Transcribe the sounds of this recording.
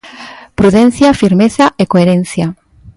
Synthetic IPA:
pɾuðen̟θjafiɾmeθaʔekoeɾen̟θja

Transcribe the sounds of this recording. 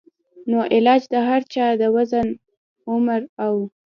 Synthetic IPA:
noʔɪlɑd͡ʒd̪əɦaɾt͡ʃɑd̪əwazən | ʊmɾaw

